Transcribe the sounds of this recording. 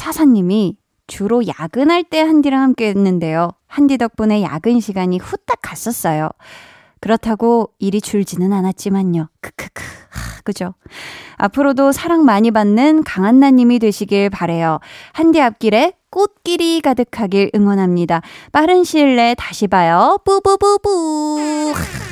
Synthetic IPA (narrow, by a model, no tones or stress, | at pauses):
sʰasʰaɲːimi | t͡ɕuɾoja̰ɡɯnɦaɭt͈e̞handiɾaŋhamk͈eːnːɯnde̞johandidʌk̚p͈une̞ja̰ɡɯnɕʰiɡaɲiɸut͈ak͈ʰas͈ʌs͈ʌjo̰ | kɯɾʌtʰaɡoiɾit͡ɕuɭd͡ʑinɯnanat̚t͡ɕ͈imaɲɲokɯ̥kʰɯ̥kʰɯ̥kɯd͡ʑo | a̰pʰɯɾodosʰaɾaŋmaɲibanːɯnkaŋanːaɲimidwe̞ɕʰiɡiɭpaɾe̞johandiap̚k͈iɾe̞k͈ot̚k͈iɾiɡadɯkʰaɡiɾʔɯŋwʌnɦamɲidap͈aɾɯnɕʰiɭːe̞taɕʰibajʌpubububu